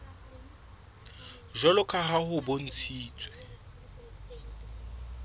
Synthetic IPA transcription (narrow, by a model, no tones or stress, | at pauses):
ʒɔlʊkʼaɦahʊbon̩t͡sʰiːt͡sʼwɛ